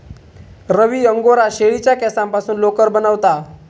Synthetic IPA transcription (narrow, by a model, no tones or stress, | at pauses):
ɾəʋiːəŋɡoɾaɕeɭit͡ɕjakɛsãmpasuːnlokəɾbənəʋt̪a